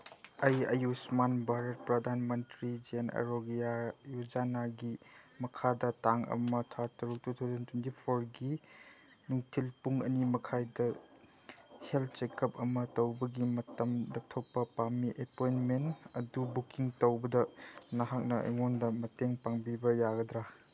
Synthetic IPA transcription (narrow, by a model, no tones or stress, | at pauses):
ɐjɐ̰jusmanbʱaɾɐt̚pɾɐdʱanmɐntɾid͡ʒenɐ̰ɾoɡijajud͡ʒanaɡimɐkʰadɐtaŋɐ̰mɐtʰatɐɾuk̚tutʰɐwzɐntʰwentipʰoɾɡi | nuŋtʰilpuŋɐnimɐkʰajdɐ | helt̚t͡ʃekɐp̚ɐmɐtɐwbɐɡimɐtɐmlɐp̚tʰopːɐpamiʔepojnmentɐdubukiŋtɐwbɐdɐnɐɦak̚nɐʔɐ̰ŋondɐmɐteŋpaŋbibɐjaɡɐdɾa